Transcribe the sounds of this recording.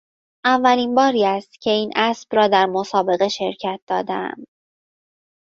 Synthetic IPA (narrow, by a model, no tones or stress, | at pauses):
ʔævːæliːnbɒːɾiːæst̪cʰe̞iːnʔæsb̥rɒːd̪æɾmo̞sɒːbe̞ɣe̞ʃe̞ɾcʰæt̪̚d̪̥ɒːd̪eæ̰m